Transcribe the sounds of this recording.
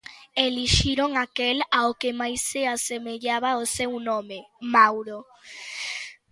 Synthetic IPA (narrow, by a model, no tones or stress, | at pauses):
eliʃiɾoŋakelaokemajseasemeʎaβaosewnõmemawɾo